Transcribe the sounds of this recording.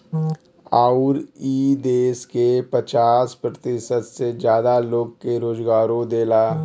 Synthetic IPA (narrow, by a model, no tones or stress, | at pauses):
aːʊɾiːd̪eːskepət͡ʃaːspɾət̪ɪʃəd̪sed͡ʒjaːd̪aloːɡ̚keɾoːd͡ʒɡaːɾõd̪eːlaː